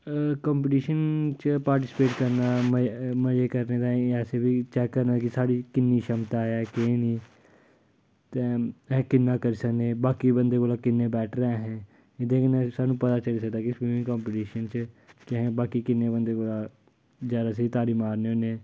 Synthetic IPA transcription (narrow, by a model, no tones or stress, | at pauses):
kɔːmpɪʈiːʃənt͡ʃəpaːɾʈɪspeːʈkəɾnaːməməd͡ʒeːkəɾneːd̪ãːɛːseːbiːt͡ʃɛːkːəɾnaːkɪsaːɽiːkɪnːiːʃəmt̪aːɦɛːkẽniː | t̪eːɛ̃kɪnːãːkəɾiːsəkneːbaːkiːbənd̪eːkoːlaːkɪnːeːbɛːʈʰɾãːɦɛ̃ː | ɪd̪eːknɛ̃saːnːũːpət̪aːt͡ʃəliːs̬ək̚d̪aːkɪsiːɪ̃ŋkɔ̃ːmpɪʈiːʃənt͡ʃ | kɪɦɛ̃ːbaːkiːkɪnːeːbənd̪eːkoːlaː | d͡ʒaːɾaːs̬iːt̪aːɾiːmaːɾneːoːneː